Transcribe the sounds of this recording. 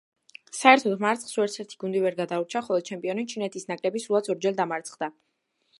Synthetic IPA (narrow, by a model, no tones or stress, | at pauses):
saɛɾt̪ʰɔd̪maɾt̪sʰχsuɛɾt̪sʰɛɾt̪ʰi̥ɡund̪ivɛɾɡad̪auɾt͡ʃʰaχɔlˠɔd̪̥t͡ʃʰɛmpʼiɔnit͡ʃʰinɛt̪ʰisnakʼlɛbisɾuat̪sʰɔɾd͡ʒɛld̪amaɾt̪sʰχd̪a